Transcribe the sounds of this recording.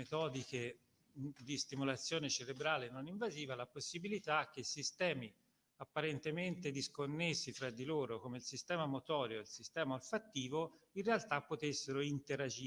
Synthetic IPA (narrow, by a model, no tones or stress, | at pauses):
et̪ɔːd̪ike | d̪ist̪imulat̪sːjoːnet͡ʃeɾebɾaːlenːoniɱvaziːvalaposːibilit̪ak̟ːeisist̪ɛːmi | apːaɾent̪ement̪ed̪iskonːesːifɾad̪ːiloːɾokomeilsist̪ɛːmamot̪ɔːɾjoilsist̪ɛːmaalfat̪ːiːvoinrealt̪apːot̪esːeɾoint̪eɾad͡ʒiː